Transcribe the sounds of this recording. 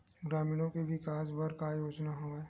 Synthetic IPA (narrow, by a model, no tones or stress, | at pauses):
ɡɾaːmiːɽ̃õkebɪkaːsbɐɾkajoːd͡ʒnaɦoeː